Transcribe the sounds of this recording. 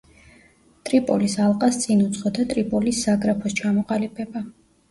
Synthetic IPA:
t̪ʼɾipʼɔlisalˠqʼast̪sʼinut̪sʰʼχʼɔd̪at̪ʼɾipʼɔlisːaɡɾapʰɔst͡ʃʰamɔqʼalipʰɛba

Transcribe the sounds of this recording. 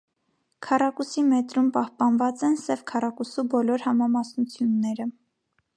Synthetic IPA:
kʰɑrɑkusimɛt̪ɾumpɑhpɑnvɑt͡sɛnsɛvkʰɑrɑkusubɔlɔɾhɑmɑmɑsnut͡sʰjunːɛɾə

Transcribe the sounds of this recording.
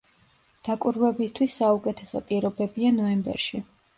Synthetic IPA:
d̪̥akʼuɾwɛbist̪ʰwisːaukʼɛt̪ʰɛsɔ̰pʼiɾɔbɛbianɔɛmbɛ̰ɾʃi

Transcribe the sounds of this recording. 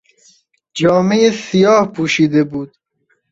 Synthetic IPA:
d͡ʒɒːmejesijɒːhpʰuːʃiːd̪ebuːd̪̥̚

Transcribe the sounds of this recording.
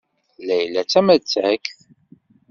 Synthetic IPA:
læjlːæt͡sːæmæt͡sːækθ

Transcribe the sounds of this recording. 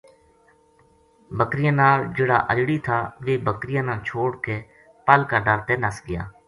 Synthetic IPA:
bəkɾɪjãːnaːɾd͡ʒeːɽa̰ːʔəd͡ʒɽiːt̪ʰaːʋeːbəkɾɪjãːnãːt͡ʃʰoːɽkeː | pəlkaːɖəɾt̪eːnəsɡɪja̰ː

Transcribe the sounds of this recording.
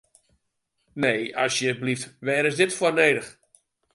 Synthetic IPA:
neːɔsjəbliftʋɛːɾɪsdɪtfwɔneːdəx

